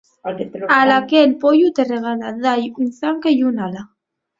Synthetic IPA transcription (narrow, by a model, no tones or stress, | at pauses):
alakelpojut̪ereɣalaðajunθaŋkejunala